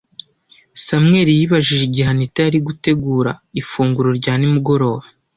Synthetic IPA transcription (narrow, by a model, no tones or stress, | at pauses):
samŋe̞ɾijiβaʒiʒiɟiɦanitaaɾiɡute̞ɡuːɾa̰ifuːŋɡuɾo̞ɾɟaːnimuɡo̞ɾo̞ːβa